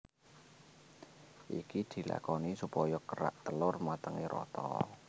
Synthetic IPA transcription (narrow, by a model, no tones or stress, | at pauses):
ʔikid̪̥i̤la̰kɔnisupɔjɔkəɾa̰ʔt̪əlʊrmat̪əŋiɾʔɔ̰t̪ɔ̰